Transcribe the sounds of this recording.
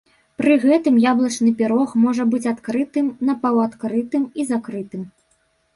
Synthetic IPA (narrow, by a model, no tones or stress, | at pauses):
pɾɨɣɛt̪ɨmjablˠɐt͡ʂnɨpʲiɾɔxmɔʐɐbɨt͡sʲat̪kɾɨt̪ɨmnɐpawat̪kɾɨt̪ɨmizakɾɨt̪ɨm